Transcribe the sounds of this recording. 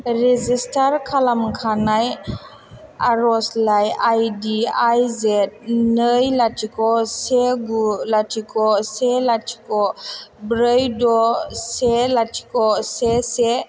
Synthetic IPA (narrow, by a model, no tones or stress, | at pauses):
ɾezistʰaɾkʰalamkʰanaj | aɾɔslajajdiajzɛt̚nəjlatʰikɔseɡulatʰikɔselatʰi̥kɔbɾəjdɔselatʰi̥kɔsese